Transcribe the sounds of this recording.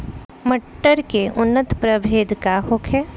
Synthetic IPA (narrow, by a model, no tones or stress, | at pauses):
mɐʈːəɾkeʔʊnːət̪pɾəbʱeːd̪ʱkaɦoːkʰɛː